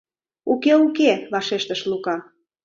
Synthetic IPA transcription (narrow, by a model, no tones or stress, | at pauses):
ukeukeβɑʃeʃt̪ə̆ʃlukɑ